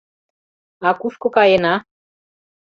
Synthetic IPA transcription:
ɑkuʃkokɑjenɑ

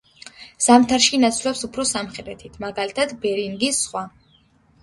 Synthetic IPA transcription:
z̥amt̪ʰaɾʃinat̪sʰlɛpsupʰɾɔsamχɛɾɛt̪ʰit̪ʰmaɡalit̪ʰad̪bɛɾiŋɡisːχwa

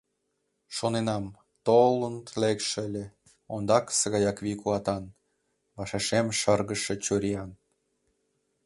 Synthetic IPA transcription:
ʃonenɑm | t̪olənlekʃeəlʲe | ond̪ɑksəɣɑjɑkβikuɑt̪ɑn | βɑʃɑʃemʃərɣəʃet͡ɕuɾʲiɑn

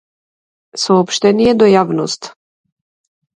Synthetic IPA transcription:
sɔːpʃt̪ɛnijɛd̪ɔjavnɔst̪

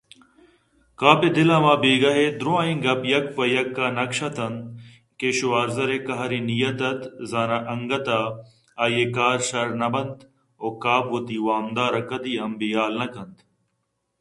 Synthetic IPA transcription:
kaːped̪ɪlãːmãːbeːɡɐɦeːd̪ɾõːãːĩːɡɐpjɐk̚pɐjɐkːaːnɐkʃɐt̪ɐnd̪ | keːʃoaːɾzɐɾeːkɐɦɐɾiːnijɐt̪ɐt̪zaːnaːʔɐŋɡɐt̪aː | aːjeːkaːɾʃɐɾnɐbɐnd̪ | oːkaːbʋot̪iːwaːmd̪aːɾɐkɐd̪iːɐmbijaːlnɐkɐnt̪

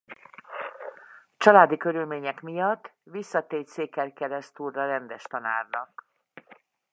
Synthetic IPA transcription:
t͡ʃɒlaːd̪ikø̞ɾylmeːɲɛkmijɒt̪ːʋisːɒt̪eːseːkɛrkɛɾɛst̪urːɒɾɛnd̪ɛʃt̪ɒna̰ːrnɒk̚

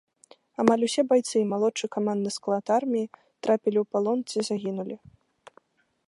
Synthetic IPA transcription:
amalʲusʲɛbajt̪sɨmalˠɔt͡ʂɨjkamand̪ɨsklˠat̪armʲiji | t̪ɾʔapʲilʲiwpalˠɔnt̪sɨizaɣʲinulʲi

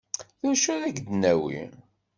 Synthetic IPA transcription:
θʊʃuðæɡd̪næwḭ

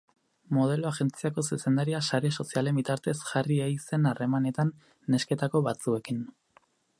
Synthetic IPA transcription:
mo̞ð̞e̞loaɣe̞nt͡siako̞suse̞nd̪aɾiasaɾe̞so̞siale̞mbit̪aɾt̪e̞sʝariejse̞nare̞mane̞t̪anː | e̞ske̞t̪ako̞βat͡sue̞kin

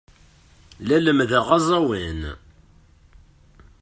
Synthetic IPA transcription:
læləmðæʁɑzˤɑwin

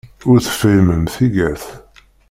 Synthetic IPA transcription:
ʊɾθə̥fəjməmθiɡæθ

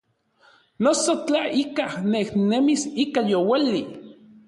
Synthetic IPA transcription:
nosot͡ɬaikahnehnemisikajowali

